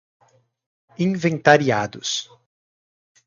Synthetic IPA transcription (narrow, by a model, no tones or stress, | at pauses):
ĩvẽnt̪aɾiad̪ʊs